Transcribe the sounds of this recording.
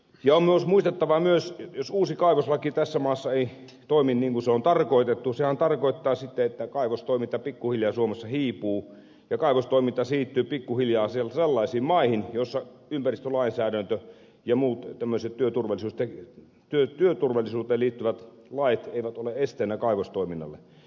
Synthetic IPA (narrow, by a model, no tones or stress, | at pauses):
jɑommyosmuist̪et̪ːɑʋɑmyøsjosuːsikɑˑiʋoslɑkːˑit̪æsːæmɑːsːɑei | t̪oˑiminniːŋkuseont̪ɑrkoˑit̪et̪ːusehænt̪ɑrkoˑit̪ːɑːsit̪ːeet̪ːækɑˑiʋost̪oˑimint̪ɑpikːuhiljɑːsuomesːɑhiːpuː | jɑkɑˑiʋost̪oˑimint̪ɑsiːt̪ːyːpikːuhiljɑːsielæselːɑˑisiːmmɑihinjosːɑympærist̪ølɑinsæːdænt̪ø | jɑmuːt̪t̪æmːøset̪t̪yøt̪urʋɑlːˑisuːst̪e | t̪yøt̪yøt̪urʋɑlːˑisuːt̪eːliːt̪ːyʋæt̪ | lɑit̪eˑiʋæt̪oleʔest̪einːækɑˑiʋost̪oˑiminːɑ̰lːḛ